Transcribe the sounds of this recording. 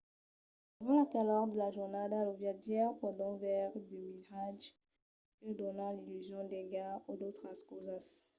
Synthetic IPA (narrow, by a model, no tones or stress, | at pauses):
dəvɑ̃lakalɔʁd̪əlaʒuʁnad̪alɔvjad̪jɛʁpɔd̪ɔ̃vɛʁd̪imiʁaʒ | kəd̪ɔnãlilyzjɔ̃d̪eɡaud̪ot̪χaskozas